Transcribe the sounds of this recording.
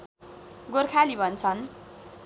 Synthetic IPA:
ɡorkʰalibʱʌnt͡sʰʌn

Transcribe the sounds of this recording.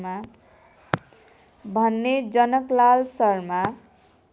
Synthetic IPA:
ma | bʱʌnːed͡zʌnʌklalsʌrma

